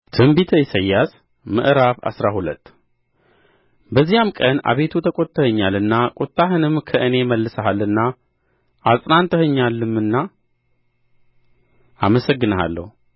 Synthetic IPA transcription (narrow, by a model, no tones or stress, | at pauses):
t̪ʰɨmbit̪ʰəjɪsəjːas | mɨ̰ʔɾaβa̰sɾahulət̪ː | bəzːijamkʼəna̰βe̞t̪ʰut̪ʰəkʼot̪ʼːəhəɲːalɨnːakʼut̪ʼːaɦɨnɨmkʰəʔɨne̞məlːɨsahalɨnːa | ʔasʼnant̪ʼəhɨɲːalːɨmɨnːa | aməsəɡːɨnəɦa̰lːə̰hu